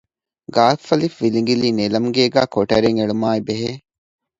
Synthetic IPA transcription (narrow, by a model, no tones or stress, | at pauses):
ɡaːfɐlifʋiliŋɡiliːnelɐmɡeːɡæ̰ːkoʈɐɾeŋeɭumaːibeɦeː